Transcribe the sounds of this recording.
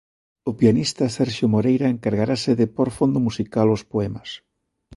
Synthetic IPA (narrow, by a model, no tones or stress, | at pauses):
ʊpianist̪ɐsɛɾʃjʊmoɾejɾaeŋkaɾɣaɾasɪðɪpoɾfond̪ʊmusikalʊspoɛmɐs